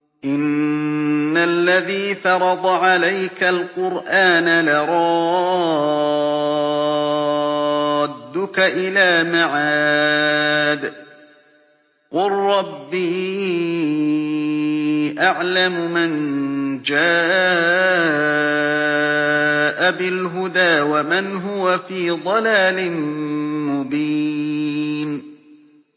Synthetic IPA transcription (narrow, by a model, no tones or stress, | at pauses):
ʔɪnː | alːaðiːfɑɾˤɑd̪ˤɑʕalajkalqʊɾʔaːnalɪɾˤɑ | d̪ːʊkaʔɪlaːmaʕaː | d̪ | qʊlɾˤɑbːi | ʔaʕlamʊmand͡ʒaː | ʔabɪlɦʊd̪aːwamanɦʊwafiːd̪ˤɑlaːlɪnmʊbiː | n